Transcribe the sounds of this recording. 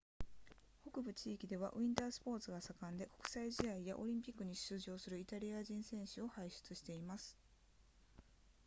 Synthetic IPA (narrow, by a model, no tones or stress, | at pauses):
ho̞kɯ̟bɯ̟t͡ɕiːkʲid̪e̞β̞a̰ʔɯ̟ĩnt̪aːsɨ̥po̞ːt͡sɨɡasakãnd̪e̞ko̞̥kɯ̟̥saiʑiaijaʔo̞̰ɾʲĩmpʲikːɯɲ̟iɕsɨːʑo̞ːsɨɾɯ̟it̪aɾʲiaʑĩɰ̃sẽ̞ɰ̃ɕɨo̞haiɕɨ̥t͡sɨɕi̥t̪e̞imasɨ̥